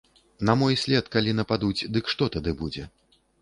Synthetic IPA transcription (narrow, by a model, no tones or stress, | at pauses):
nɐmɔjsʲlʲɛt̪kalʲin̪ɐpad̪ut͡sʲd̪ɨkʂt̪ɔt̪ad̪ɨbud͡zʲɛ